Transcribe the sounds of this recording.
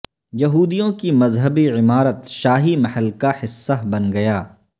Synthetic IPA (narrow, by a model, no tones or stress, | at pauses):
jɐɦuːd̪ijõkimɐzɦəbiʕɪmaːɾət̪ʃaːɦimɐhəlkahɪsːabɐnɡɐjaː